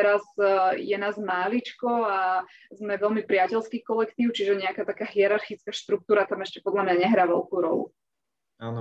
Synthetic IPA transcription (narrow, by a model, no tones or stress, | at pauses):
ɛɾazjɛnaːzmaːlit͡ʃkɔa | zmɛʋɛlmipɾɪacɛlskiːkɔlɛkt̪iːʊt͡ʃiʒɛɲɛakaːt̪akaːɦiɛɾaɾxit͡skaːʃt̪ɾuk̚t̪uːɾat̪amɛʃcɛpɔd̪lamɲaɲɛɦɾaːʋɛ̰lkuːɾɔ̰lṵ | aːn